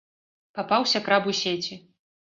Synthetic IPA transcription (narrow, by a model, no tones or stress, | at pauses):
papawsʲɐkɾabusʲet͡sʲi